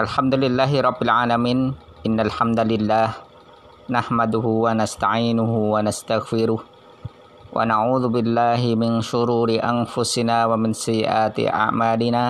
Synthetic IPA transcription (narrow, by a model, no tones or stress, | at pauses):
ʔalħamd̪ʊlɪlːaːɦɪɾˤɑbːɪlʕaːlamiːn | ʔɪnːalħamd̪alɪlːaːh | nahmad̪ʊɦʊwanast̪aʕiːnʊɦʊwanast̪aɣfɪɾʊh | wʔa̰naʕuːðʊbɪlːaːɦɪmɪnʃʊɾuːɾɪʔanfʊsɪnaːwamɪnsajːɪ̰ʔaːt̪ɪ̰ʔa̰ʕmaːlɪnaː